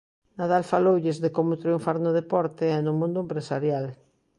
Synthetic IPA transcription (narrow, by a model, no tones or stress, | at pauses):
naðalfalowʎɪzðekomʊt̪ɾiũɱfaɾnʊð̞epɔɾt̪eɛnʊmũnd̪ʊempɾesaɾjal